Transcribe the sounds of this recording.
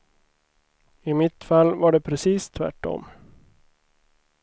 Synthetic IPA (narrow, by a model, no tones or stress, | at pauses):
ɪmɪt̪falːvaɖɛpʰɾɛsiːst̪ʰvæ̰ʈːɔ̰m